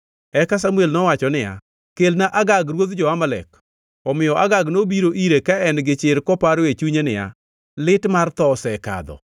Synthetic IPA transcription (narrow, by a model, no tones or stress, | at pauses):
ɛkas̬amuelnɔwat͡ʃɔnɪja̰ | kelnaʔaɡaɡɾwod̪d͡ʒɔamalɛ̰k | ɔmɪjɔʔaɡaɡnobiɾoʔiɾekaɛnɡɪt͡ʃɪɾkɔpaɾet͡ʃuɲenɪja̰ | lɪtmart̪ɔsɛka̰d̪ɔ̰